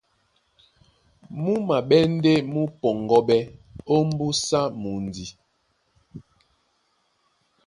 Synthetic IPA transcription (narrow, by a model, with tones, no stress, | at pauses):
mu˦ma˨ɓɛ˦n̩˦de˦mu˦pɔ˨ŋɡɔ˦ɓɛ˦o˦m˦bu˦sa˦mu˨n˨di˨